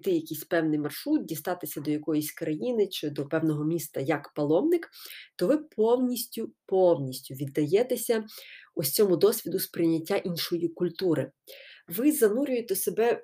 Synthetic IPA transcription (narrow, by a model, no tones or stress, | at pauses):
t̪ɪjɐkʲijsʲpɛwnɪjmɐrʃɾut̪̚dʲist̪ɑt̪ɪsʲɐd̪ɔjɐkɔjisʲkɾɐjinɪt͡ʃɪd̪ɔpɛwnɔɦɔmʲist̪ɐjɐkpɐlˠɔmnɪkt̪ɔʋɪpʰɔwnʲisʲtʲʊpɔwnʲisʲtʲʊʋʲid̪ːɐjɛt̪esʲɐʊsʲt͡sʲɔmʊd̪ɔsʲʋʲid̪ʊspɾɪjnʲːɐtʲːaʔinʃɔjikʊlʲt̪uɾɪʋɪzɐnuɾʲʊjet̪ɛsebɛ